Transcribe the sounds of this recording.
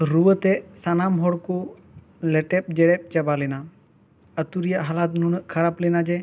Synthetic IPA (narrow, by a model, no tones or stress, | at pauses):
ɾuwət̪ɛsanamɦɔɽku | lɛʈɛp̚d͡ʒɛɽɛp̚t͡ʃəbalɛna | ət̪uɾijaʔɦalat̪nunəʔkʰaɾaplɛnad͡ʒɛ